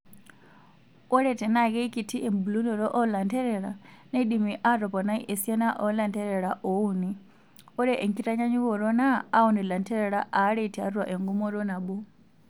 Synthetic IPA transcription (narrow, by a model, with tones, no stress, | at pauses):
ɔ˦ɺɛtɛ˨na˦kɛ˦iki˨tʰi˦ʔɛ˨mbu˨lu˦ndɔ˨ɾɔ˦ʔɔ˦la˨ntʰɛ˦ɾɛɺa̰˨neɗimiʔaɾɔ˨pɔ˨na˦iʔe˨si˦ɛ˦na˦ʔɔ˦la˨ntɛ˦ɾɛɺa˨ʔɔ˨u˦ni | ɔ˦ɾɛ˦ʔɛ˨ŋki˦ta˦ɲa˦ɲi˦kɔ˨ɾɔ˦naː˦ɔ˨nɛ˨la˨ntʰɛ˦ɾɛɺa˦ʔa˨˦ɺe˦tʰi˨a̰˦ɾu˦wa˨ʔɛ˨ŋɡu˦mɔ˦ɾɔ˦na˨ɓu˦